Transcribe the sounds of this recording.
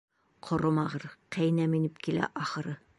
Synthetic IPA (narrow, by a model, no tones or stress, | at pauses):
qʰŏɾomɑʁɤɾqæjnæminɘpkilæ̰ʔɑχɤ̆ɾɤ